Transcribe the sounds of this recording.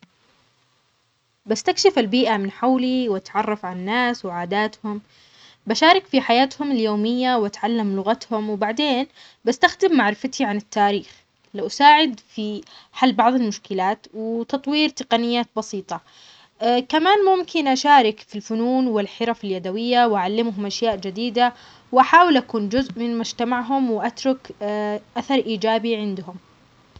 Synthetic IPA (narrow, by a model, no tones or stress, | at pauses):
bast̪akʃɪfalbiːʔamɪnħawliwat̪ʕɑrˤːɑfʕananːaːswɪʕaːd̪aːt̪hʊm | baʃaːɾˤɪkfiħajaːt̪hʊmɪljoːmɪjːawʔat̪ʕalːamlʊɣat̪hʊmwbaʕd̪eːn | bast̪axd̪ɪmːaʕɾɪfat̪ʰiʕanɪt̪ːaːɾiːx | lawʔasaːʕɪd̪fiħalːbɑʕðˤɪlmʊʃkɪlaːt̪wɪt̪ɑt̪ˤwiːɾt̪ɪqɑnɪjːaːt̪̚bɑsiːt̪ˤɑ | kamaːnmʊmkɪnʔaʃaːɾɪkfilfʊnuːnwɪlħɪɾɑfɪljad̪awɪjːawʔaʕalːɪmɦʊmʔaʃjaːʔd͡ʒɪd̪iːd̪a | wʔaħaːwɪlʔakuːnd͡ʒʊzʔmɪnmʊd͡ʒt̪amaʕɦʊmwɪʔat̪ɾˤʊkʔaθɑɾˤʔiːd͡ʒaːbiʕɪnd̪hʊm